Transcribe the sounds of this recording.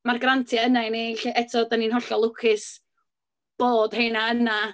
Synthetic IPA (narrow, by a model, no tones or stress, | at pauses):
marɡrantʰiaənajneɬeʔɛtʰɔdaninɦɔɬɔlˠʊkʰɪs | b̥oːd̥hejnaəna